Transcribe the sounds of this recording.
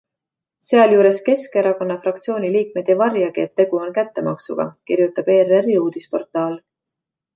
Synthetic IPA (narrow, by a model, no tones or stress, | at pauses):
se̞ɑljuːɾe̞ske̞ske̞ɾɑko̞nːɑfɾɑkt̪sio̞ːnʲiliːk̚me̞d̪̥evɑrjɑɡ̥iet̪ːe̞ɡ̥uo̞nkæt̪ːe̞mɑksṵɡ̥ɑ̰kiɾjut̪ːˑɑb̥e̞ːreriuːd̪̥ispo̞rt̪ːˑɑːl